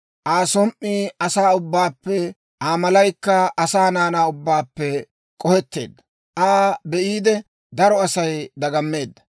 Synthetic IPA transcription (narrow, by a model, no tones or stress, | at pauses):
ʔaːsɔmʔːiːɐsaːʊbːaːpːɛ | ʔaːmɐlɐjkːɐɐsaːnaːnaːʊbːaːpːɛ | kʼɔhɛt̪ːe̞̰ːd̪ːɐ̥ | ʔaːbɛʔiːd̪ɛ | d̪ɐɾɔɐsɐjd̪ɐɡɐmːe̞ːd̪ːɐ̥